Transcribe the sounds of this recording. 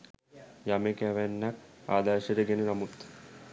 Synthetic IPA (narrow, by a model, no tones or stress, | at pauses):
jamekæʋænːakaːd̪aːʃəɾəɡenənamut̪